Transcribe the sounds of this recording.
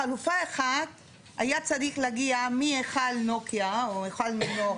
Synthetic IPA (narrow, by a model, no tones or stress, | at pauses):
alufaeχad | a̰jat͡sad̪iklaɡiamieχalnokjaoeχalmino